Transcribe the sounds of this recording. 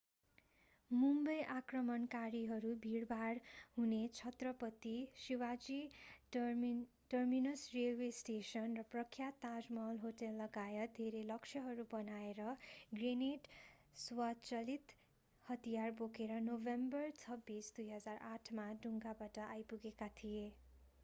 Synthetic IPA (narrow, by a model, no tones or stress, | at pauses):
mumbʌjʔakrʌmʌnkaɾiɦʌɾubʱiɽbʱaɽhunet͡sʰʌt̪rʌpʌt̪ːisiwad͡zi | ʈʌrminʌsrelwesʈesʌnrʌprʌkʰːjat̪ad͡zmʌlɦoʈelːʌɡaeʌd̪ʱeɾelʌksʰjʌɦʌɾubʌnaeɾʌɡreneʈ | swat͡sʌlit̪ | hʌt̪ijarbokeɾʌnobembʌrt͡sʰʌbːisd̪ujɦʌd͡zaraʈʰmaɖʱuŋɡabaʈʌʔajpuɡekat̪ʰije